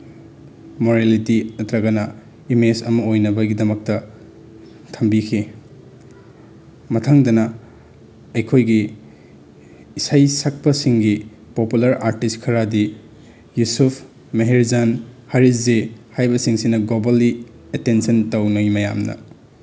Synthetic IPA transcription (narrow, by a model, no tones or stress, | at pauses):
moɾalitiɐtɾɐɡɐnɐ | imesɐmɐojnɐbɐɡidɐmɐk̚tɐ | tʰɐmbikʰi | mɐtʰɐŋdɐnɐ | ɐjkʰojɡi | sajsɐk̚pɐsiŋɡi | populɐɾaɾtistkʰɐɾadi | jusupʰ | meɦeɾzanhaɾiszehajbɐsiŋsinɐɡlobali | etensɐntawnɐjmɐja̰mnɐ̰